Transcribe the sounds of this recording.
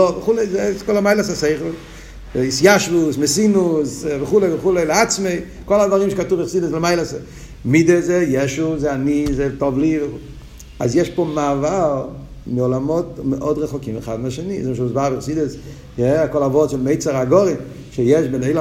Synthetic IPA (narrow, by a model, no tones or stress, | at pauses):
ɔvɪχuleɪzeskɔlamaɪlˠasaseɪχl̩ˠ | ɪsjaʃvʊsmɪsinʊsvɪχulevɪχuleɪlɪat͡smeɪ | kɔlˠadvaʁimʃkatuvɪχsidəslɪmaɪlˠase | midezejɛʃuzeanizetɔvlivɪ | azjɛʃpomavalmɪɔlamɔtmɪʔɔdʁɛχɔkimɪχadmaʃenizɛmʃumsbavɪχsidəs | jɛakɔlavɔtfɛlmeɪt͡saʁaɡɔʁim | ʃejɛʃbɛneɪla